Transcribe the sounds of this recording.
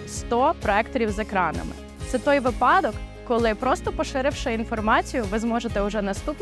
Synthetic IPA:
st̪ɔpɾɔɛkt̪ɔɾʲiwzekɾɑnɐ̰mɪ̰ | t̪sɛt̪ɔjʋɪpɑd̪ɔkː | ɔlˠɪpɾɔst̪ɔpɔʃɪɾɪwʃɪin̪fɔrmɑt͡sʲijʊʋɪzmɔʒet̪ɛʊʒɛnɐst̪upn

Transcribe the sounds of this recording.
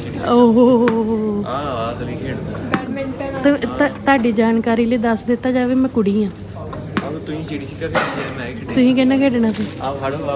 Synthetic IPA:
oːɦo | t̪ːt̪t̪aːɖiːd͡ʒaːnkaːɾiːləiːd̪əsd̪ɪt̪ːaːd͡ʒaːʋeːmɛ̃ːkʊɽiːãː | t̪ʊsĩːkɛːnãːkɛːɖɳãːsiː

